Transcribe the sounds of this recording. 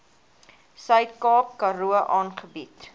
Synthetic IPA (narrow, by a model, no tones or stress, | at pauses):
sœɥtkɑːkːɐɾuəʔɑːnχəbit